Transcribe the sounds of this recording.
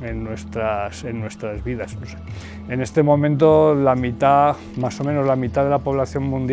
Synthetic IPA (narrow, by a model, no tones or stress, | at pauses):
e̞nːwest̪ɾase̞nːwe̞st̪ɾazβiðasnose | ene̞st̪e̞mõ̞mẽ̞nt̪o̞lamit̪a | maso̞meno̞zlamit̪aðe̞lapo̞β̞laθjo̞mmũnd̪j